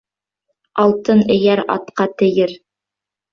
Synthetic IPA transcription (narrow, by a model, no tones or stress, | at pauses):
ɑlˠt̪ɤnɘ̆jæɾɑ̰t̪qɑt̪ɘ̆jɘɾ